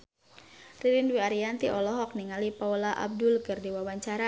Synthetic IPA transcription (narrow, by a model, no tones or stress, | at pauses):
riɾinwiaɾiant̪iʔɔlɔɦɔk̚niŋalipaulaʔa̰b̚dʊlkɨrdiwawaɲt͡ʃaɾa